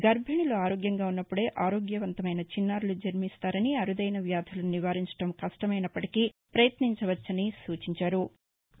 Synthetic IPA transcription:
ɡɐɾbʱɐɳiloːaːɾo̞ːɡjɐŋɡaːunːɐpːuɽe̞ːʔaːɾo̞ːɡjɐʋɐnt̪ɐmɐjnɐt͡ʃinːaːɾulud͡ʒɐɾmist̪aːɾɐniɐɾud̪ɐjnɐʋjaːd̪ʰʱɐlɐniʋaːɾiɲt͡ʃɐ̥ʈɐmkɐʂʈɐmɐjnɐpːɐʈikipɾɐjɐt̪niɲt͡ʃɐʋɐt͡ʃːɐnisuːt͡ʃiɲt͡ʃaːɾu

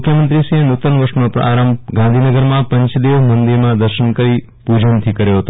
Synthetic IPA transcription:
kʰjəmənt̪ɾisienut̪ənʋəʃnopɾ̰a̰ɾəmɡãnd̪ʱinəɡəɾmãpə̃ɲt͡ʃd̪eʋmənd̪iɾmãd̪əɾʃənkəɾi | pud͡ʒənt̪ʰikəɾjoɦət̪o

